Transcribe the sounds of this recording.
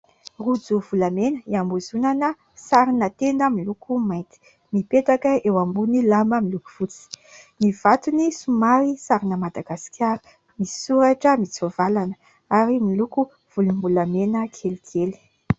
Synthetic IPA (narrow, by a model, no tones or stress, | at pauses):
rud͡zuvulamenəiambuzunanə | saɾinat̪end̪əmilukumajnt̪i̥ | mipetakəewambunilambəmiluku̥v̥ut͡si̥ | niv̥at̪unisumaɾisaɾinəmad̪aɡasi̥kʰʲaɾu̥ | misi̥suɾaʈ͡ʂəmit͡sovalanə | aɾimiluku | v̥ulumulamenəkʰelikʰeli̥